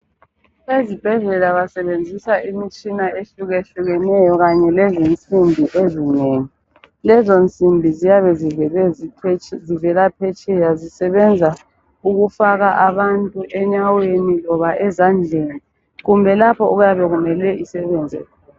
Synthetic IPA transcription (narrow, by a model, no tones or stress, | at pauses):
ezib̥ʱɛɮɛlaβasɛβend͡zʱisaʔimit͡ʃʼinaeɬuɣeɬuɣɛnɛjɔɣaɲɛlɛzint͡sʼimbʱiʔezineːŋi | lɛzont͡sʼimbʱizijaβɛzɛ | zivɛlapʰɛt͡ʃʼɛjazisɛβɛnd͡zʱa | uɣufaɣaʔaβantʼuʔɛɲawenilɔβaʔɛzand͡ɮʱeni | ɣumbʱɛlapʰɔuɣujaβɛɣumɛlɛʔisɛβɛːnd͡zʱɛ̰